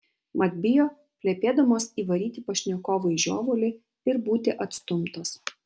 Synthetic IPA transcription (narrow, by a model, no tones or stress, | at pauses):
mɐd̪ʲbʲɪjoː | kʲlʲepʲeːd̪ɐmoːsiːʋɐɾʲiːt̪ʲɪpɐʃʲnʲɛkoːʋɐɪʒʲo̰ːʋolʲɪ | ɪɾbuːt̪ʲɪʔɐt̪st̪ʊmt̪ɐs